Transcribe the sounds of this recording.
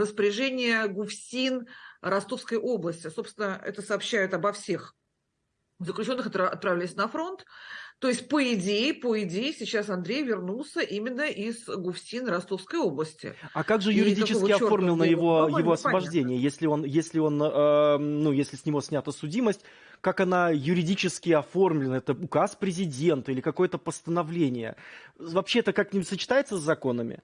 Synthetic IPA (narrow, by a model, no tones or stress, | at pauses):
rəspəɾʲɪʐɛnʲɪjəɡʊfsʲinɾɐst̪o̞fskəjʔo̞blˠəsʲtʲɪso̞psʲɪnəɛ̰t̪əsəɐːpɕːæjɪt̪ɐbɐfsʲe̞x | zəklʲʉt͡ɕo̞nːɨxɐt̪ɐ̰t̪̚pɾɐvʲlʲɛjsʲnɐfɾo̞nt̪ːo̞ɪsʲt̚ʲpəɪdʲejɪpəɪdʲejɪsʲɪt͡ɕːasɐnd̪ɾʲejvʲɪrnulˠsʲəʔimʲɪnːəʔizɡʊfsʲinɾɐst̪o̞fskəjo̞blˠəsʲtʲɪ̰akaɡʐɨjʊɾʲɪdʲit͡ɕɪɪɐffo̞rmlʲɪlˠnəjɪvo̞jɪvo̞ɐsvəbɐʐdʲenʲɪjəjesʲlʲɪo̞njesʲlʲɪo̞nəːujesʲlʲɪsʲnʲɪvo̞sʲnʲat̪əsʊdʲiməsʲtʲ | kakɐnajʊɾʲɪdʲit͡ɕɪskʲɪɐfo̞rmlʲɪnəɛt̪əʊkaspɾʲɪzʲɪdʲe̞nt̪ʊilʲɪkɐko̞jət̪əpəst̪ənɐvlʲenʲɪjə̰vɐpɕeɛt̪əkaknʲɪsət͡ɕɪ̥t̪ajɪt̪səzːɐko̞nəmʲɪ̰